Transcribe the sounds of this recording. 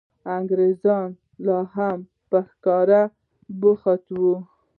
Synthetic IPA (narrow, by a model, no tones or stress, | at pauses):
aŋɡɾezɑn | lɑɦam | pəxkɑɾa | bʊxat̪wu